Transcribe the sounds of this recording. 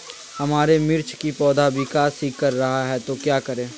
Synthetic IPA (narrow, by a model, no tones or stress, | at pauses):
hɐmaːɾemɪɾt͡ʃkipɔːd̪abʱikaːsiːkːɐɾːɐɦaɦɛt̪okjaːkɐɾẽː